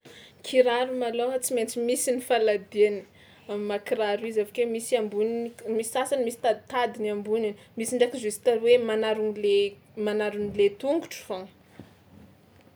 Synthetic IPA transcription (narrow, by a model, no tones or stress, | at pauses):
kʰiɾaɾumaloat͡siment͡simisinifalad̪iani̥ | amimakiɾaɾuizavakwemisiambuninmisi̥sasanmisi̥t̪ad̪it̪ad̪iniambuninmisiɳɖ͡ʐakizusi̥t̪aɾwemanaɾunle | manaɾunilet̪uŋɡuʈ͡ʂu̥faŋ